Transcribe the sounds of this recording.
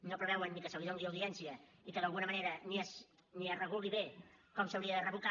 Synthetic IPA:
nopɾəβɛwənːikəsəwɣiðõlnˠd̪iəwðiɛnsiəikəðɐlˠɣunəmɐneɾənies | niərəɣulˠiβekɔmsəwɾiəðərəβuka

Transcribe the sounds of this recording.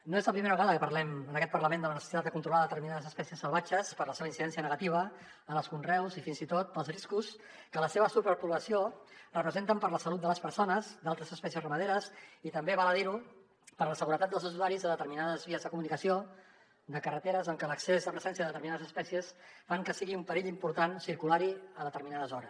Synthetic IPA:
noezləpɾimeɾəβəɣaðəkəpəɾlɛmənəkɛt̪̚pəɾləmend̪ələnəsəsit̪at̪d̪əkunt̪ɾulaðət̪əɾminaðəzəspɛsiəsːəlˠβad͡ʒəspəɾləseβəinsiðɛnsiənəɣət̪iβ̞ə | ələlˠskunrɛwzifinzit̪ot̪̚əlˠzriskus | kələseβəsupəɾpuləsiorəpɾəzent̪əmpəɾləsəlut̪̚d̪ələspəɾsonəzd̪alˠt̪ɾəzəspɛsiəsrəməðeɾəzit̪əmbeβaləðiɾu | pəɾləsəɣuɾət̪at̪d̪əlˠzəz̬uzaɾizðəðət̪əɾminaðəzβiəzðəkumunikəsio | d̪əkərət̪eɾəzəŋkələksezðəpɾəzɛnsiəðəət̪əɾminaðəzəspɛsiəsfaŋkəsiɣiumpəɾiʎimpuɾt̪ansiɾkulaɾiəðət̪əɾminaðəzɔɾəs

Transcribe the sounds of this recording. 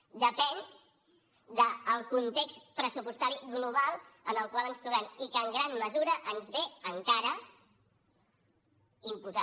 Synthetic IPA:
d̪əpɛn | d̪əːlˠkunt̪ekspɾəsupust̪aɾiɣluβ̞alˠənəlˠkwalˠənst̪ɾuβɛmikəŋɡɾanməzuɾəʔənzβeəŋkaɾə | impuza

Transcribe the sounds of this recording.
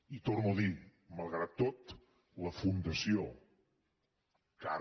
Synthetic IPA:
it̪oɾnuði | məlˠɣ̞ɾat̪ːot̪ | ləfund̪əsijo | ka

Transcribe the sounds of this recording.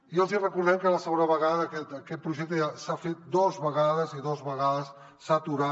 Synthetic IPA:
iəlˠzirəkuɾðɛmkələsəɣonəβəɣaðəːkɛt̪əkɛt̪̚pɾuʒɛk̚t̪əasafet̪̚d̪ɔzβəɣaðəziðɔzβəɣaðəsː | at̪uɾa

